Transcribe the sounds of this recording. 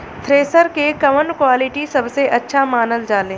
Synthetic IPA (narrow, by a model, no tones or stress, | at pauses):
t̪ʰɾeːsəɾkekɐʋəɳɖkwaːlɪʈisɐbseʔɐtːʃʰamaːnəld͡ʒaːlẽː